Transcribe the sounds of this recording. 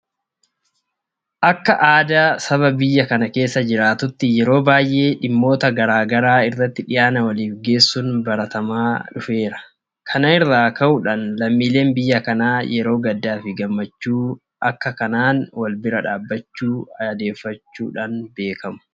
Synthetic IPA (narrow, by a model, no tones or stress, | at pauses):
ʔɐkːɐʔaːd̪aːsɐβɐbɪjːɐkɐnɐke̞ːsːɐd͡ʒɪɾaːt̪ʊt̪ːɪjɛɾo̞ːbaːjʔe̞ːᶑɪmːo̞ːt̪ɐɡɐɾaːɡɐɾaːɪrːɐt̪ːɪᶑɪjaːnɐwɐliːfɡe̞ːsːʊnbɐɾɐt̪ɐmaːᶑʊfe̞ːɾɐ̥ | kʰɐnɐɪrːaːkɐʔʊᶑɐnlɐmːiːle̞ːnbɪjːɐkɐnaːjɛɾo̞ːɡɐd̪ːaːfɪɡɐmːɐt͡ʃːuː | ʔɐkːɐkɐnaːnwɐlbɪɾɐᶑaːbːɐt͡ʃːuːɐd̪e̞ːfːɐt͡ʃːṵːᶑɐnbe̞ːkʰɐmʊ̥